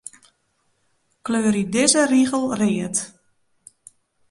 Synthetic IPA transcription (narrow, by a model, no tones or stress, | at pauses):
kløːɾidɪzəriɣəlˠrɪət